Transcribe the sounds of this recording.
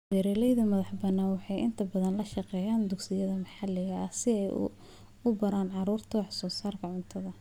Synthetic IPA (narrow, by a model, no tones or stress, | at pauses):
bɛɾɛːlɛjðɐmɐðɐħbɐnːaːwɑħɑjɪ̰nt̪ʰɐbɐðɐnlɐʃɑqɛːjaːnd̪ʊksɪjɐðɐmɑħɑlɪɣɐʔɐsɪɛj̰ | ʊbɐɾaːnʕɑɾuːrt̪ʰɐwɑħsɔːsaːrkʰɐʕʊnt̪ʰɐðɐ